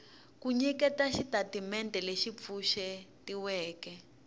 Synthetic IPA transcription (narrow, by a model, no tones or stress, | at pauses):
kuɲɛkɛtaʃitatimɛntɛleʃip̪fuʃɛtiwɛːkɛ